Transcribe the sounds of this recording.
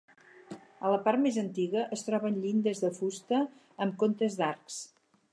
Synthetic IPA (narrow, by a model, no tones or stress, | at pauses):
ələpart̪mezənt̪iɣəʔəst̪ɾɔβənʎind̪əzðəfust̪əː | mkont̪əzd̪arks